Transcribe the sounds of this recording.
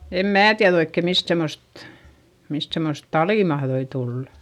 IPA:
em mæː tiæð oikːe mist semːost mist semːost tɑliˑ mɑhðoi tulːɑ̥

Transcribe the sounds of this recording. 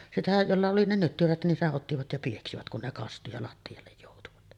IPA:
sitæ jolːɑ oli ne nytːyræt nin seʔ ʔotːiʋɑt jɑ pieksiʋæt kun ne kɑstu jɑ lɑtːiɑlːej joˑutuʋɑt

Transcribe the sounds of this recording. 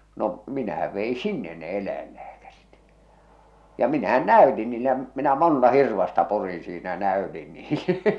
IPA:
no minæhæʋ ʋei sinːen ne elˑæilːæːkærit jɑ minæhæn næˑy̞tin niːle jɑ minæ montɑ hirʋɑstɑ purin̞ siːnæ jɑ næˑøtin niːle

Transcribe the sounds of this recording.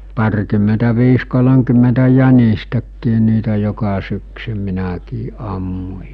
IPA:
pɑrkymːentæʋiːs kolomkymːentæ jænistækːiː niːtæ jokɑ syksy minækiː ʔɑmːu̟

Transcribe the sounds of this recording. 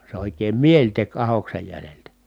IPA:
se oˑikˑeːm mielʲ tek ɑhoksej jæleltæ

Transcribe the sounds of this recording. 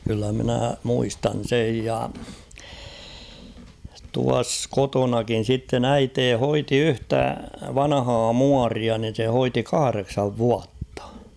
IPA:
kylːæ minæˑ muistɑn̞ sej jɑ tuɑs kotonɑkin̞ sitːen æiteː hoiti yhtæ ʋɑnɑhɑː muɑriɑ nin̞ se hoiti kɑhɑreksɑʋ ʋuɑtːɑ̥

